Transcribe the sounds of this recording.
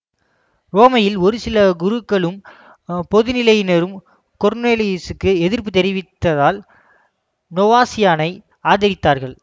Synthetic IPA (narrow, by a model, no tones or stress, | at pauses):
roːmɐjɪlɔɾɯsɪlɐɡʊɾɯkːɐɭɯm | pɔðɯnɪlɐjɪnɐɾɯm | kɔɾneːlisɯkːɯɛðɪɾpɯt̪ɛɾɪʋɪt̪ːɐðaːl | nɔʋaːsɪjaːnɐɪ | aːðɐɾɪt̪ːaːɾɣɐɭ